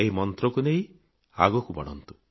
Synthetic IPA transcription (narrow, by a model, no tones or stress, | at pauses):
eɦimɔnt̪ɾɔkuneĩ | a̰ɡɔkubɔ̰ɽ̃ɔ̰nt̪u̥